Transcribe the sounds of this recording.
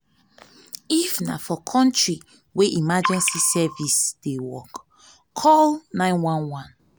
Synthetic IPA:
ifna̰fɔkʰɔ̃ntɹi | weʔimad͡ʒɛ̃nsisɛvisd̥ewɔkːʰ | ɔlnãɪ̃nwãnwãn

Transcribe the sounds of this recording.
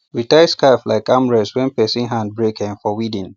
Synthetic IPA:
witaɪskaɪfla̰ɪkamɹɛswɛ̃npɛsĩŋɦãnd̚bɹekʰɛ̃ŋfɔwidĩn

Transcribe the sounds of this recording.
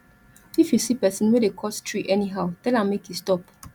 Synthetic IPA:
ifjusipɛsĩnwedekʰɔstʰɹiʔɛniɦaʊtɛlãmekʰjustɔp

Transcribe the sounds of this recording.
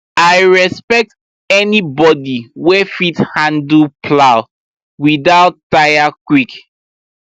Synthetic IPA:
ajɹɛspɛk̚t | ɛnibɔdiwɛfithãndl̩pʰlaʊ | wiðaʊttːaɪjakwik

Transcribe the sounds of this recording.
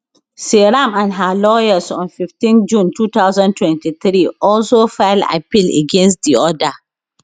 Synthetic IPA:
seɹãmãnɦalɔjəsɔ̃nfiftĩnd͡ʒũntʰuːt̪aʊzãntʰwɛ̃ntiθɾiɔlsofɛlda̰pilḛɡɛ̃nstdiɔda

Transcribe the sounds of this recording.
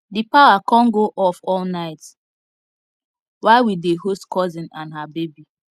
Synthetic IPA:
dipawakɔ̃nɡoʔɔfɔlnaɪt | waɪwideɦostkɔzĩnãnɦabebi

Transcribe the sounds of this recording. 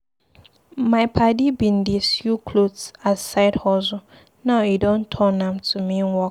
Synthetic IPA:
mãɪpʰadibĩndisjukʰlodsasaɪdhɔzʊ | nãidõntʰɔ̃nãmtʰumĩnwɔ

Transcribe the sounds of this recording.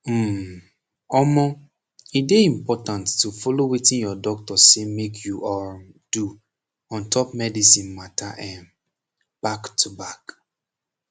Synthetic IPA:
m̩m | ɔmɔ | ideĩmpɔtãntːufɔlowitĩnjɔdɔk̚tɔsemekʰjuʔɔ | d̥u | ɔ̃ntʰɔp̚mɛdisĩnmatʰaʔɛ̃n | b̥aktʰubak

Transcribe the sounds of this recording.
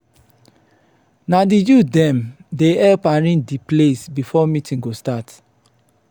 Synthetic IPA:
nadijudɛ̃mdeɛlpãɹĩndiplesbifɔmitĩŋɡostat

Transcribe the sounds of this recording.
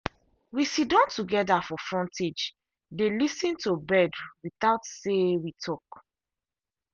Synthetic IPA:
wisidɔ̃ntuɡɛdafɔfɹɔ̃nted͡ʒ | delisĩntubɛduwiθaʊtsewitʰɔk

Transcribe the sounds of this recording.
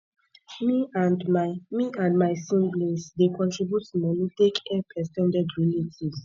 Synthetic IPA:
mi | miãndmajsĩnɡlĩnsdekɔ̃ntɹibjutːumɔnitekɛpʰɛsɛ̃ndɛdɹinitʰiz

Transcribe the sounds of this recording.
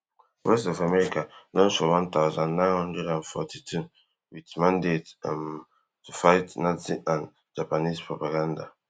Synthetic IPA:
wɛstɔfamɛɹikanɔ̃nsɔwãnt̪aʊzãnːãɪ̃nhɔ̃ndɹɛdãnfɔ̰tʰitʰu | witmãndetm | tʰufaɪtnaziʔãn | d͡ʒapanispɹɔpaɡãnda̰

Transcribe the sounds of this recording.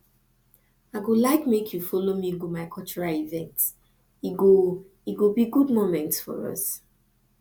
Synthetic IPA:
aɪɡolaɪkmekʰjufɔlomiɡumaɪkʰɔlt͡ʃuɹaivɛ̃nts | iɡo | iɡobiɡudmomɛ̃ntsfɔ̰ɹʌ̰s

